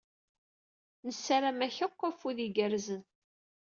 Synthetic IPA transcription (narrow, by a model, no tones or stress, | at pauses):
nəsːaɾamæçəqːəfuðiɡəɾzən